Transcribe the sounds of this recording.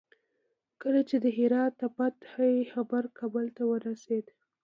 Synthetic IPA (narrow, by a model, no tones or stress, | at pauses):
kəlat͡ʃed̪əɦɪɾɑt̪ːapat̪hajxabaɾkʰɑbəlt̪awəɾased̪